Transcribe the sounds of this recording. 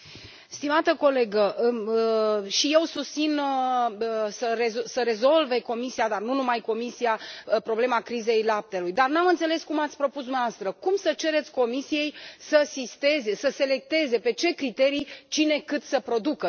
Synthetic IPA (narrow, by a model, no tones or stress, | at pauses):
st̪imat̪əko̞le̞ɡəʔ | ʃije̞wsust̪sinə | səɾezsəɾe̞zo̞lve̞ko̞misiad̪arnunumajko̞misiapɾo̞ble̞makɾize̞jlap̚t̪e̞lujd̪arnamɨnt̪se̞le̞skumat̪sʲpɾo̞pus̬d̪umavast̪ɾəkumsət͡ʃe̞ɾe̞t̪sʲko̞misije̞jsəsist̪e̞zesəse̞le̞k̚t̪e̞ze̞pe̞t͡ʃe̞kɾit̪e̞ɾijt͡ʃine̞kɨt̪səpɾo̞d̪ukə